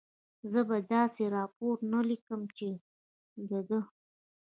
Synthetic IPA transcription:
zəbad̪ɑseɾɑpoɾnalikəmt͡ʃe | d̪əd̪ə

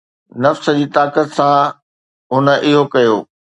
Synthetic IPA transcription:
nɐfsə̆d͡ʑiːt̪aːkət̪sã | ɦʊnə̆ʔɪɦokɐjoː

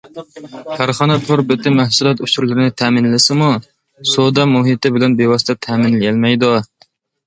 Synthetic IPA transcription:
kʰæɾχɑnɛpʰʊɾbɪt̪ʰɪmæhsulˠɛt̪ut͡ʃuɾlˠɪɾɪnɪt̪ʰæmɪnlɪsɪmu | sod̪ɑmuɦit̪ɪbɪlɛnbewɑsɪ̥t̪ʰɛt̪ʰɛmɪnlɪjɛlmɛjd̪u

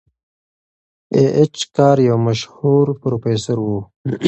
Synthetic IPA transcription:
eʔet͡ʃkaːɾjɐwməʃhuːɾpɾoːfeːsəɾwu

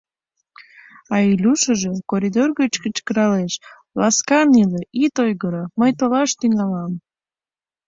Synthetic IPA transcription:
ɑilʲuʃəʒekoɾʲid̪orɣət͡ɕkət͡ɕkəɾɑleʃ | lɑskɑnileʔit̪ojɣəɾəməjt̪olɑʃt̪iŋɑlɑm

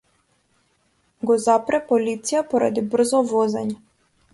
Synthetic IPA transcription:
ɡɔzapɾɛpɔlit̪sijapɔɾa̰d̪ibr̩zɔvɔzɛ̰ɲɛ

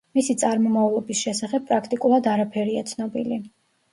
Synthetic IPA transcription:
misit̪sʼaɾmɔmavlˠɔbisʃɛsaχɛb̚pʼɾakʰt̪ʼikʼulˠad̪aɾapʰɛɾiat̪sʰnɔbili

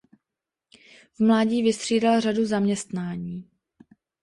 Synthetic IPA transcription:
vmlaːɟiːvɪst̪r̝̥iːdalraduzamɲɛst̪naːɲiː

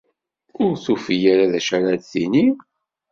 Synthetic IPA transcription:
ʊɾθufijaɾaðæʃaɾaðθini

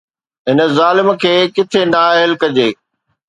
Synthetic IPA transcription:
ɦɪnə̆zaːlɪmkʰeːkɪt̪ʰenaːɦɪlkɐd͡ʑeː

